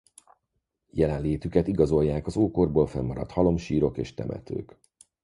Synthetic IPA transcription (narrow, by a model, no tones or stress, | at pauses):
jɛlɛnleːt̪ykɛt̪iɡɒzo̞jːaːkɒzoːkorboːlfɛmːɒɾɒ̰t̪hɒlo̞mʃiːɾo̞kḛːʃt̪ɛ̰mʔɛ̰t̪ø̰ːk